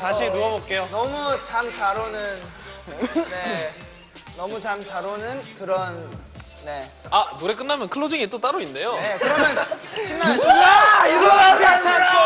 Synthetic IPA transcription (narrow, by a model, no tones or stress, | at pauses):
taɕʰinuʌbok̚k͈e̞jonʌmut͡ɕamt͡ɕaɾonɯn | ne | nʌmut͡ɕamt͡ɕaɾonɯnkɯɾʌnː | e̞ | anoɾe̞k͈ɯnːamjʌnkʰɯɭːod͡ʑiŋit͈ot͈aɾoinde̞joekɯɾʌmjʌnt͡ɕʰinːaaiɡʌaat͡ɕʰaɾ